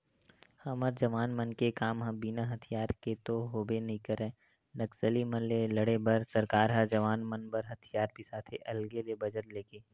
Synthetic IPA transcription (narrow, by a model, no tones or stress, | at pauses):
hɐməɾd͡ʒɐʋaːnmənkekaːmɦɐ̃binaɦɐt̪ʰijaːɾket̪oɦoːbenɐɦĩkəɾẽː | nɐksəlimɐnleləɽebɐɾsɐɾkaːɾɦɐd͡ʒɐʋaːnmənbɐɾɦɐt̪ʰijaːɾbʱisaːt̪ʰḛʔɐlɡelebɐd͡ʒəɾleːkeː